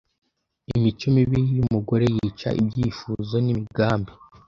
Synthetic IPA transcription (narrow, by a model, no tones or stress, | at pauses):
imit͡ʃumiβiɾijumuɡo̞ɾe̞jiːt͡ʃa̰ʔḭbɟiːfuzo̞nimiɡaːmbi